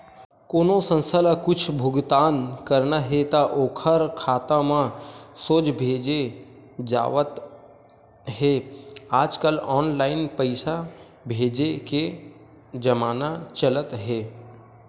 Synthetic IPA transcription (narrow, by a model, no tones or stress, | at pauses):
koːnosə̃nsəlakʊt͡ʃʰbʱʊɡt̪aːnkəɾnaɦet̪aʔoːkʰəɾkʰaːt̪amãsoːt͡ʃbʱeːd͡ʒe | d͡ʒa̰ːʋət̪ | ɦeaːd͡ʒkəlɔːnlaːɪnpəɪsa | bʱeːd͡ʒeke | d͡ʒəmaːnat͡ʃələt̪ɦeː